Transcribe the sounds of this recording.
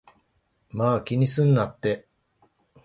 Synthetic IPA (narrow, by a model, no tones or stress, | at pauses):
maːkʲiɲ̟isɨ̃nd̪at̪ːe̞